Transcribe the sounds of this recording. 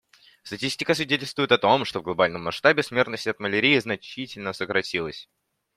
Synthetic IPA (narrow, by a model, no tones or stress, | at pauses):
st̪ɐtʲisʲtʲɪkəsvʲɪdʲetʲɪlʲst̪vʊjɪt̪ɐt̪o̞mʂt̪ovɡlˠɐbalʲnəmːɐsʂt̪abʲɪsmʲe̞rt̪nəsʲtʲɐt̪məlʲɪɾʲejɪznɐt͡ɕitʲɪlʲnəsəkɾɐtʲilˠəsʲ